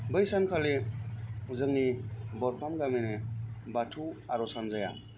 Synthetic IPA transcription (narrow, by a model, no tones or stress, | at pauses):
bɯjsankʰale | zɯŋnibɔɾpʰamɡamenebatʰuaɾɔsanzaja̰